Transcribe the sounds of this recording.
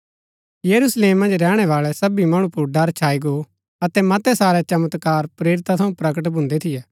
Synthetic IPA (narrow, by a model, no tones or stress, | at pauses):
jɐɾusleːmːɐ̃nd͡ʒɾɛːɽ̃ɛʋaːɭɛsɐbimɐɽ̃ũpʊɾɖɐɾt͡ʃʰaːiɡo | ɐt̪ɛmɐt̪ɛsaːɾɛt͡ʃɐmət̪kaːɾpɾeːɾɪt̪at̪ʰɐ̃ũpɾɐkəʈ̬bʱʊ̃nd̪et̪ʰɪjɛː